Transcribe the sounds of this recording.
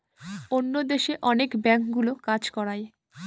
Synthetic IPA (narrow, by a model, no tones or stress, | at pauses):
onːod̪eʃeʔɔnekbɛŋkɡulokad͡ʑkɔɾaj